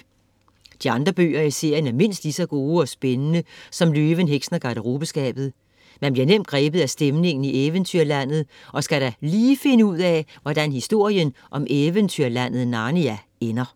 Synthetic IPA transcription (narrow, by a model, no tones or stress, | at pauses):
d̥iɑ̈nd̥ʁɐb̥ø̰ːɐise̝ɐ̰jənæɐme̝n̰sd̥isɒɡ̥o̝ːɒ̽sb̥enənəsɒ̽mløːʋənɦeɡ̥snɐɡ̥ɑ̈ɾ̥əʁub̥əsɡ̥ɛ̰ːb̥ð̞̩ˠ | mænb̥liɐnem̰d̥̚ɡ̥ʁɛːb̥ð̞̩ˠæsd̥emne̝ŋn̩ieːʋənt͡sʰyɐlæn̰ð̞̩ˠʔɒ̽sɡ̥æɾ̥æliːfe̝nəuð̰ˠɛʋɒd̥ænhisd̥o̝ɐ̰jənʔɒ̽meːʋənt͡sʰyɐlæn̰ð̞̩ˠnɑ̈ːniæ | enɐ